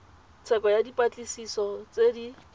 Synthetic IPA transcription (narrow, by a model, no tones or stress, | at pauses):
t͡sʰɛkʼɔjadipʼat͡ɬʼisisɔt͡sedi